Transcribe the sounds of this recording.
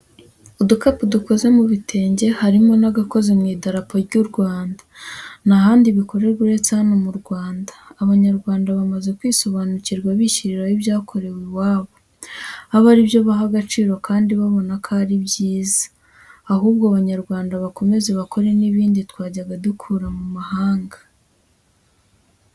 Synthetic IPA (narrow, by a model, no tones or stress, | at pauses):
udukapuduko̞ze̞muβitʰe̞ːɲɟe̞haɾimo̞naɡako̞zemŋiːdaɾapoɾɟuɾɡwaːndḁnaɦaːndiβiko̞ɾe̞ɾɡuɾe̞t͡sanomuɾɡwaːndḁːβaɲaɾɡwaːndaβamaze̞kwiːso̞βanuciɾɡwaβiçiɾiɾajiβjaːkʰo̞ɾe̞wewaːβo̞ | aβaɾibjo̞βaɦaɡat͡ʃiːɾo̞kaːndiβaβo̞nakʰaɾiβɟjiːzḁː | huːb̚ɡoaβaɲaɾɡwaːndaβako̞me̞ze̞βakʰo̞ɾe̞niβiːnditwaːɟaɡadukʰuːɾamumahaːŋɡḁ